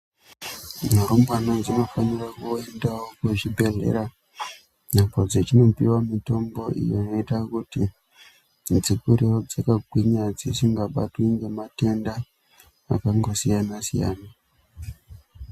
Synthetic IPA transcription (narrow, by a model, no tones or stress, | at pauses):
naɾumbanond͡zino̞fanirakue̞ndawokuʐibʱe̞ɮe̞̰ɾa | nambod͡zet͡ʃino̞piwamito̞mbo̞ʔḭjonoitakuti | d͡zikuɾeod͡zakaɡʱwiɲad͡zisiŋɡaɓa̰twiŋɡe̞mate̞nda | a̰kaŋɡo̞sijanasija̰ːna